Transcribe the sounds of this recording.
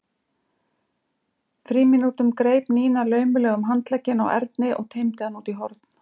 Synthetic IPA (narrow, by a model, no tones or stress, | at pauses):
fɾiːmɪnuːt̪ʏmkɾeːjpniːnalœːɥmʏlɛːɣʏmɦant̪lɛcːɪna̰wʔɛ̰ɾt̪nɪʔɔ̰ɣt̪ʰeːjmt̪ɪðanuːt̪iɦɔɾt̪n̥